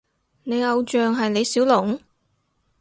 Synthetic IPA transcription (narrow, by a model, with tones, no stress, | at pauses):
ne˨˧jɐ˨˧wt͡ʃœː˨ŋɦɐ˨jne˨˧jsiː˨˥wlʊ˨˩ŋ